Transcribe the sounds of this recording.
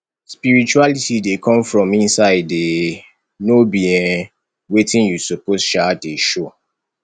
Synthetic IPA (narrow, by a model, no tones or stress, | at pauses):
spiɹit͡ʃualitidekʰɔ̃mfɹɔ̃mĩnsaɪde | nobiɛ̃ | wetĩnjusoposʃaeʃo